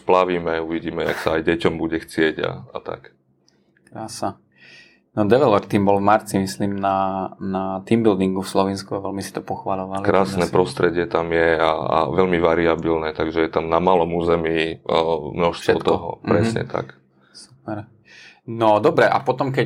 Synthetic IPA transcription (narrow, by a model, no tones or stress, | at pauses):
splaʋiːmɛuʋiɟiːmɛa̰ksaajɟɛcɔmbuɟɛxt͡sɪɛɟa̰a̰t̪a̰k | kɾaːsa | nɔd̪ɛʋɛlɔɾt̪iːmbɔlvmaɾt͡simisliːmnanat̪imbild̪iŋɡufslɔʋinskuaʋɛlmisi̥t̪ɔpɔxʋalɔʋalikɾaːsnɛːpɾɔst̪ɾɛɟɪɛt̪amjɛaa̰ʋɛlmiʋaɾiabilnɛt̪aɡʒɛjɛt̪amnamaːlɔmuːzɛmiː | mnɔʃst̪ʋɔt̪t̪ɔɦɔ̰pɾɛsɲɛ̰t̪a̰k | supɛɾ | nɔd̪ɔbɾɛʔa̰pɔt̪ɔmkɛ